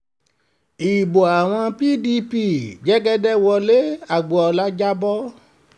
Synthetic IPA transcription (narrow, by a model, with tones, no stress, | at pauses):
i˨bo˨a˨w̃ɔ̃˧pi˦di˧˦pi˦˨d͡ʒɛ˦ɡɛ˦dɛ˦wɔ˧le˦a˨ɡ͡bo˨ɔ˧la˦d͡ʒa˦bɔ˦